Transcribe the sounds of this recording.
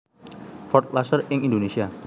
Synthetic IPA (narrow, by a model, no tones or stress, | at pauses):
fɔrt̪̚lasərɪŋindonesia